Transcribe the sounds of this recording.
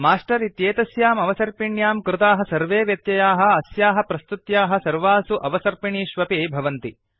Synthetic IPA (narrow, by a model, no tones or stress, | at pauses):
maːʂʈɐɾit̪jeːt̪ɐsjaːmɐʋɐsɐɾpiɳjaːmkɾɪt̪aːɦɐ̆sɐɾʋeːʋjɐt̪jɐjaːɦɐ̆ɐsjaːɦɐ̆pɾɐst̪ut̪jaːɦɐ̆sɐɾʋaːsuʔɐʋɐsɐɾpiɳiːʃʋɐpeːbʱɐʋɐnt̪i